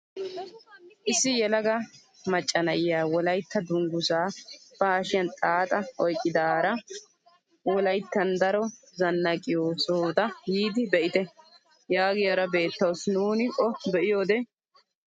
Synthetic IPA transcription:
ʔɪsːɪjɛlɐɡɐ | mɐt͡ʃʼːɐnɐʔɪjaːwɔlɐjt̪ʰːɐd̪ʊŋɡʊsaːb̥ɐːʃɪjɐnt̪ʼaːt̪ʼɐʔɔjkʼːɪd̪aːɾɐ | wɔlɐjt̪ːɐnd̪ɐɾɔ | zɐnːɐkʼɪjoːsoːd̪ɐjiːd̪ɪbɛʔɪt̪ɛ | jaːɡɪjɐɾɐbe̞ːt̪ːɐwsnuːnɪʔʼɔbɛʔɪjo̞ːd̪ɛ

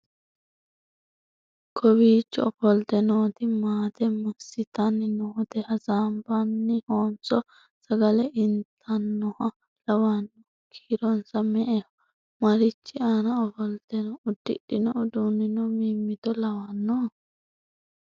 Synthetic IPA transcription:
kʰɔwiːt͡ʃːɔɔfɔlt̪ɛnoːt̪ɪmaːt̪ɛmɐsɪt̪anːɪnɔhɔt̪ɛhɐzaːmbanːɪhoːnsɔ | sɐɡɐlɛʔɪnt̪ʰɐnːʊhɐ | lɐwanːɔ | kʰiːɾɔnsɐmɛʔɛ | mɐɾɪt͡ʃːɪaːnɐɔfɔlt̪ɛnɔʊd̪ːɪ̰ɗɪnɔʊd̪unɪnɔmiːmːɪt̪ɔlɐwanːɔ

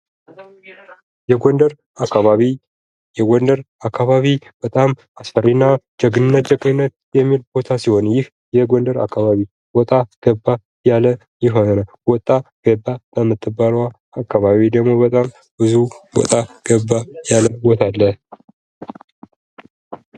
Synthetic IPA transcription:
jɛɡond̪əɾ | akʰːaβaβi | jɛɡɔnd̪əɾ | akʰːaβaβib̥ət̪ʼam | asfərinːad͡ʒəɡɨnɨnːət̪̚d͡ʒəɡʼnɨnːət̪̚ | jɛmːilbo̞t̪ʰasiho̞njɪh | jɛɡond̪əɾa̰kʰːaβaβi | wɔt̪ʼaɡ̥əbːa | jalə | jɪɦo̞nənə | wɔt̪ʼːaɡ̥əbːabəmːɨt̪ʰːɨbːalwaː | kʰːaβaβid̪əɡmo̞bət̪ʼam | bɨzuwɔ̰t̪ʼaɡ̥əbːajaləbot̪ʰalːə

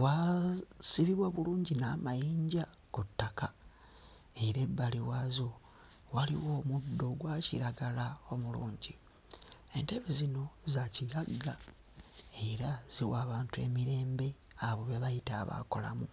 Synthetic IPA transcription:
wa | siβiβwaβuluːɲɟinaːmajiːɲɟa | kutːaka | e̞ɾe̞bːaliwaːzo | walḭwo̞ːmudːo̞ɡwaːcḭɾaɡalao̞muluːɲɟi | e̞nteβezino̞zaciɡaɡːa | e̞ɾaz̥iwaːβaːntue̞̰miɾe̞ːmbe̞ | aβo̞βe̞βajitaːβa̰ko̞la̰mu

